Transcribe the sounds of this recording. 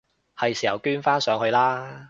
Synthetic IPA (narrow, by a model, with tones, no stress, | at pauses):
hɐ˨jsiː˨˩hɐ˨˩wkyː˥nfaː˥nsœː˨˧ŋhɵ˧ɥlaː˥